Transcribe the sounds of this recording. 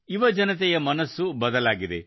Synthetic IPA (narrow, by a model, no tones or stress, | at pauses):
iʋɐd͡ʒɐnɐt̪̬ɛjɐmɐnɐsːubɐd̪ɐlaːɡid̪e